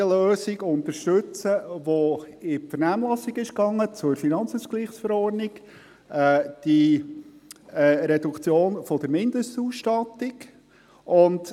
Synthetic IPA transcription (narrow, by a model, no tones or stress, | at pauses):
əløːsɪɡʊnt̪əɾʃtɵt͡səʋoɪfəɾnæːmlɑsɪɡɪʃkɑŋːət͡sʊɾfinɑnt͡suːskliːχsfəɾɔrdnɪɡ | d̥i | ɾɛdukt͡sjoːnfɔd̥̪əɾmɪnd̥̪əstuːstɑt̪ɪɡ | ʔʊnd